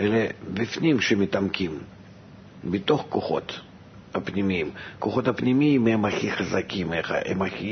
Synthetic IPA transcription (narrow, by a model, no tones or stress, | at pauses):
elebʲɪfnʲimʃemʲɪt̪amkʲim | bʲɪt̪o̞χkoχo̞̰t̪ | apnʲimʲiimkoχo̞t̪apnʲimʲiimɛmaxʲiχɐzakʲʰimḛɛ̰maxʲi